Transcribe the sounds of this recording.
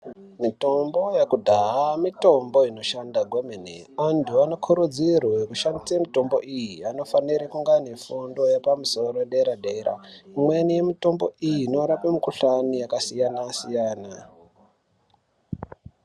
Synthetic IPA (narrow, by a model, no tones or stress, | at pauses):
mito̞mbo̞jakudʱaɦamito̞mbo̞ino̞ʃandaɡʱwemenḛondʱuanokʰuɾud͡zirwoekuʃandisemito̞mbo̞ʔijiano̞faniɾekuŋɡanefundo̞jepamuso̞roeɗeɾaɗeɾa̰imwenijemito̞mbo̞̰ijinoɾapemikuɬanijakasijanasijaːna